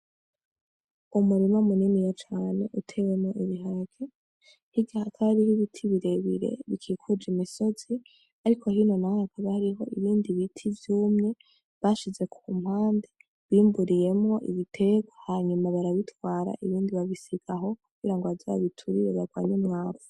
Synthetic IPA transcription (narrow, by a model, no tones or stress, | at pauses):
umuɾimomuninijat͡ʃaːne̞ʔutʰe̞we̞mŋo̞ʔiβiɦaɾaɡe | hiɡahakʰaɾihiβitʰiβiɾe̞βḭɾe̞̰βikʰiːkʰud͡ʒimiso̞z̥i | aɾikʰo̞hino̞nahakʰaβahaɾiɦo̞ʔiβiːndiβitʰivjuːmŋe̞ | βaːʃize̞kʰum̥haːnde | βiːmbuɾije̞mŋo̞ʔḭβitʰe̞ɡwahaɲumaβaɾaβitwaːɾa̰ʔiβiːndiβaβisiɡ̥aɦo̞kuɡ̥iɾaŋɡoazaa̰βitʰuɾiɾeβaɡwa̰ːɲumŋaːvu̥